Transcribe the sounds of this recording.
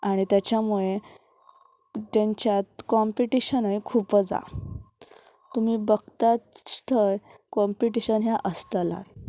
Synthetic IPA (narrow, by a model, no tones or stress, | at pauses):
aɽ̃it̪jat͡ɕjamuɭe | t̪aɲt͡ɕjat̪̚kɔmpiʈiɕənəjikʰuːpəd͡za̰ | t̪umiːbəɡt̪at͡sst̪ʰəjkɔmpiʈiɕənɦjaʔəst̪əla̰t̪